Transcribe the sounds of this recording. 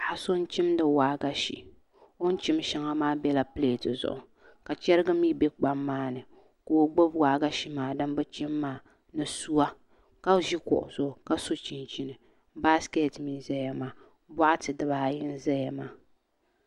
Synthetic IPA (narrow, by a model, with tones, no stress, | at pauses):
a˨a˨so˦n˦t͡ʃi˦mdɨ˨waː˨˦ɡa˦ʃḭ˨ | o˦n̩˦t͡ʃi˦m˦ʃa˦ŋa˦maː˦bɛ˦la˦ple˦˨tɨ˨zʊ̰˨ʔʊ˨ | ka˨t͡ʃɛ˦ɾɨ˦ɡɨ˦mi˦be˦k͡pa˦mːaː˦nɨ˨ | ko˨˦ɡ͡bo˦bwaː˨˦ɡa˦ʃi˦maː˨dɨ˦mbɨ˦t͡ʃi˦mːaː˦ | nɨ˨su˦a˦ | ka˦ʒi˦kɔ̰˨ʔʊ˨z̥ʊ˨ka˦so˦t͡ʃi˨nt͡ʃi˨nɨ˨ | ba˦skɛ˦˨tmi˨nza˦ja˨maː˦ | bɔ˦ʔa˦tɨ˨dɨ˨ba˨jɪ˦n˦za˦jɛ˨maː˦